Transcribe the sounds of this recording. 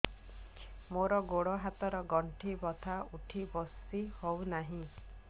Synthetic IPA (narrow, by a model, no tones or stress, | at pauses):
moɾɔɡoɽɔɦat̪ɔɾɔɡɔɳʈʰibɔt̪ʰauʈʰibɔsihownaɦĩ